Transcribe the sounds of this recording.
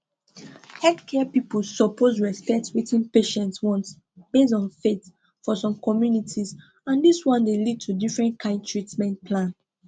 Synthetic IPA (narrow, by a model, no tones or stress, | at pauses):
hɛldkʰɛpipolsɔpʰozɹɛspɛtswitĩnpeʃɛ̃ntswɔ̃nts | b̥es̬ɔ̃nfet | fɔsɔ̃mkʰɔmjunitʰiz | ãndiswɔ̃ndelid̚tʰudifɹɛ̃nkʰãɪ̃nd̚tɹitmɛ̃ntpʰlãn